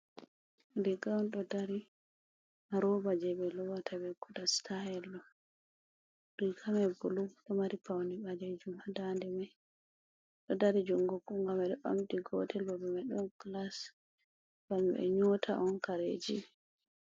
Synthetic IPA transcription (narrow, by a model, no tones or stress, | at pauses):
ndiɡawnɗɔdaɾi | maɾɔbad͡ʒɛbɛlɔwatʰabɛkudastʰahɛlːɔ | dikʰamɛbuluɗɔmaɾipʰawnibad͡ʒɛd͡ʒumadandɛmaj | ɗɔdaɾid͡ʒuŋɡɔkːuŋɡamɛɗɔɓa̰mdiɡɔ̰tʰɛlbɔbɛmaɗɔnklas | ɡambɛ̰ɲɔtʰa̰ʔɔnkaɾḛd͡ʒḭ